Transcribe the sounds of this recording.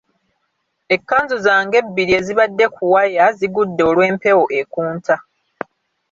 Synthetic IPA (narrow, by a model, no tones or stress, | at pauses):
e̞kːaːnzuzaːŋɡe̞bːiɾie̞ziβadːe̞kʰuwajaziɡudːo̞ːlwe̞ːmpe̞wo̞ʔe̞kuːntʰa